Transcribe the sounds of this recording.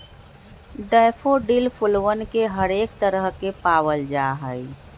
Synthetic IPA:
ɖəːpʰoɖilpʰʊlwənkeɦəɾeːkt̪əɾəɦkepaːwəld͡ʒaɦə

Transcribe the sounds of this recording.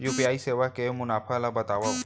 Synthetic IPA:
juːpiaːiseːʋakemʊnaːfʰalabɐt̪aːʋa

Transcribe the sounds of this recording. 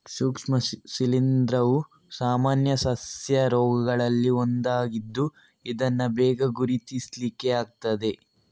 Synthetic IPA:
suːkʂmɐsilind̪ɾɐʋu | saːmaːnjɐsɐsjɐɾɔːɡɐɡɐɭɐlːiond̪aːɡid̪ːu | id̪ɐnːɐbɛːɡɐɡuɾit̪islikːeaːɡ̚t̪ɐd̪e̞

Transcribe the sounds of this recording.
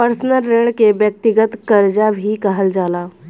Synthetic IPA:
pəɾsnəlːeːɽ̃keʋjək̚t̪ɪɡət̪kəɾd͡ʒabʱikɐɦəld͡ʒaːlaː

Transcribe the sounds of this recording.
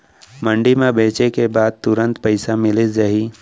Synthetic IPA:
mə̃ɳɖimẽbeːt͡ʃekebaːd̪̚t̪ʊɾə̃nt̪pəɪsamɪlɪd͡ʒɐɦiː

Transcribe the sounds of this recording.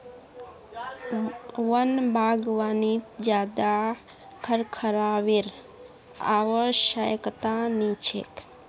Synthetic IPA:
ʋənbʱaːɡʋaːnit̪d͡ʒjaːd̪a | kʰəɾkʰəɾaːʋiɾ | a̰ʋəʃajəkt̪anit͡ʃʰḛk

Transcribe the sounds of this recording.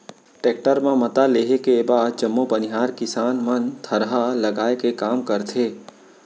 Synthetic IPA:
ʈeːk̚ʈəɾmãmət̪aleːɦekebaːd̪̚d͡ʒəmːopənɪɦaːɾkɪsaːnmənt̪ʰəɾɦaləɡaːekekaːmkəɾt̪ʰeː

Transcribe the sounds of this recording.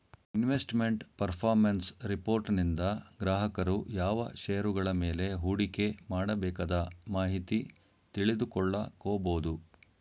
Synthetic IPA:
inʋesʈme̞ɳʈpɐɾpʰaːɾmɐnsɾipo̞ːɾʈnind̪ɐɡɾaːɦɐkɐɾujaːʋɐ̰ʃeːjɐɾuɡɐɭɐmeːle̞ɦuːɽike̞maːɽɐbɛːkaːd̪ɐmaːɦit̪i | t̪iɭid̪ukɔɭːɐkoːboːd̪u

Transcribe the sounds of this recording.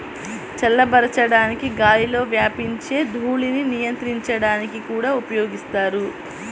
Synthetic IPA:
t͡ʃɛlːɐbɐɾɐt͡ʃɐɽaːnikiɡaːjilo̞ːʋjaːpiɲt͡ʃe̞ːd̪ʱuːɭininijɐnt̪ɾiɲt͡ʃɐɽaːnikikuːɽaːupɐjo̞ːɡist̪aːɾu

